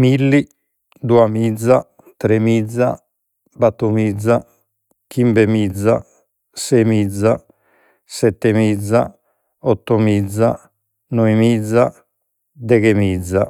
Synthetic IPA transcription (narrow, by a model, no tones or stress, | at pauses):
milːi | d̪uamid̪zːa | t̪ɾemid̪zːa | bat̪ːumid̪zːa | kimbɛmid̪zːa | sɛmid̪zːa | sɛt̪ːɛmid̪zːa | ɔt̪ːɔmid̪zːa | nɔimid̪zːa | d̪ɛɣemid̪zːa̰